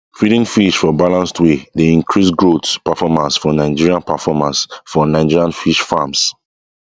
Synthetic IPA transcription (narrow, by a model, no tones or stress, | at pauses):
fɹiɾĩŋfiʃfɔbalãnstʰwedeĩŋkʰɹisɡɹotspafɔmãnsfɔnãɪd͡ʒiɹiãnpafɔmãnsfɔnãɪd͡ʒiɹiãnfiʃfams